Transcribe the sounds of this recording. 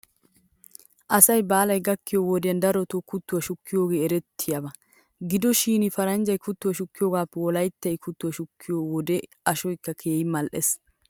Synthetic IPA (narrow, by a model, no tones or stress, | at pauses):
ʔɐsɐjbaːlɐjɡɐkːɪjowɔd̪ɪjɐnd̪ɐɾɔt̪ɔkʊt̪ːʊwɐʃʊkːɪjoːɡeːɛɾɛt̪ʰːɪjɐbɐ | ɡɪd̪ɔʃiːnɪfɐɾɐnd͡ʒɐjkʊt̪ːʊwɐʃʊkːɪjoːɡaːpːɛwɔlɐjt̪ːɐjkʰʊt̪ːʊwɐʃʊkʰːɪjoːwɔd̪ɛ | ɐʃɔjkːɐkʰeːjɪmɐlʔɛs